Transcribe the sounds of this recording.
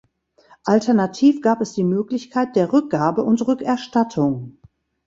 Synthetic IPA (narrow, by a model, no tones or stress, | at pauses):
ʔaltʰɛɐnatʰiːfɡ̥aːpɛsd̥iːmøːklɪçkʰaɪt̚d̥eːɐʁʏk̚ɡ̥aːbəʔʊntʁʏkɛɐʃtatʰʊŋ